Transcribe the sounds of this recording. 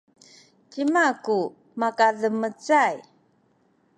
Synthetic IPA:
cimaku | makaðəmət͡saj

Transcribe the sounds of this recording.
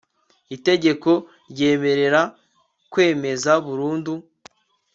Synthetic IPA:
ite̞ɟe̞ko̞ | ɾɟe̞ːme̞ɾe̞ɾa | kwe̞ːme̞zaβuɾuːndu

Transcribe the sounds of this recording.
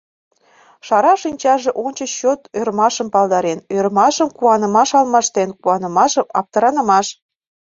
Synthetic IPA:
ʃɑɾɑʃinʲt͡ɕɑʒeʔonʲt͡ɕəɕot̪ørmɑʃəmpɑlˠd̪ɑɾenørmɑʃəmkuɑnə̆mɑʃɑlmɑʃt̪enkuɑnə̆mɑʃəmɑp̚t̪ə̆ɾɑnə̆mɑʃ

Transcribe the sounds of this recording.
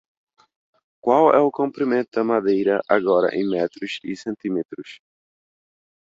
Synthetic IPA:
kwawɛʊkõmpɾimẽnt̪ʊd̪ɐmad̪ejɾɐʔaɡɔɾɐ̰ʔḛ̃j̃mɛt̪ɾʊsɪsẽnt̪ĩmet̪ɾʊs

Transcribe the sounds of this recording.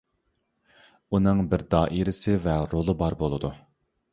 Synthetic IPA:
unɨŋbɪɾd̪ɑːʔiɾɪsɪvɛɾolˠɨbɑɾbolˠɨd̪u

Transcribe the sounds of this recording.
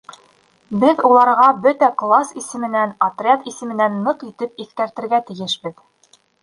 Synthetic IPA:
bɘðulˠɑɾʁɑbɵt̪æklˠasisɘ̆mɘ̆nænɐt̪rʲat̪isɘ̆mɘ̆nænːɤqit̪ɘp̚iθkæɾt̪ɘ̆ɾɡæt̪ɘ̆jɘʃbɘð

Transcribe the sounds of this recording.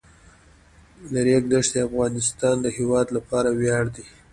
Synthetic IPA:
ləɾekd̪aʂd̪eafɣɑnɪst̪ɑnd̪əhewɑd̪lapɑɾawjɑɽd̪i

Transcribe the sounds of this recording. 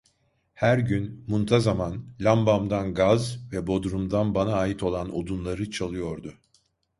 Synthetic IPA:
hæɾɟynmunt̪ʰazamanlʲambamd̪anɡazvɛbo̞d̪ɾumd̪anbanaːjit̪ʰo̞lˠano̞̰d̪unlˠaɾɯt͡ʃʰalˠɯjo̞ɾd̪ʊ

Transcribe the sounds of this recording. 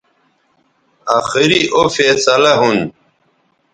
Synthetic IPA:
aːxiɾiʔofeːsɐlaɦun

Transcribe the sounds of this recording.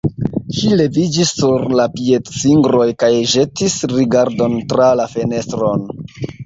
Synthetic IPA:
ʃile̞vid͡ʒisːuɾlapie̞tsiŋɡɾo̞jkajʒe̞tisɾiɡaɾdo̞ntɾalafe̞ne̞stɾo̞n

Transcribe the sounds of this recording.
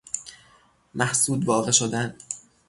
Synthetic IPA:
mʔæhsuːd̪vɒːɣe̞ʃod̪æn

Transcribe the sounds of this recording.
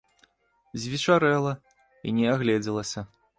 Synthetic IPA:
zʲvʲit͡ʂaɾɛlˠɐ | ḭnʲɛaɣlʲɛd͡zʲɛlˠɐsʲɐ

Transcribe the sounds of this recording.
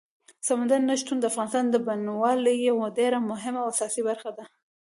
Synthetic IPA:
samand̪aɾnaʃt̪und̪əafɣɑnɪst̪ɑnd̪əbanwɑləjawadeɾamʊɦɪmawasɑsibaɾxad̪a

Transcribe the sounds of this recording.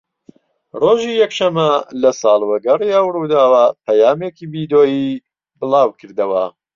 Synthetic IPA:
roːʒijɐkʃɐmːɐlɐsɑːlˠwɐɡɐriɐwɾuːd̪aːwɐpʰɐjaːmeːkiːbid̪oːji | bɨlˠɑːwkʰɨɾd̪ɐwɐ

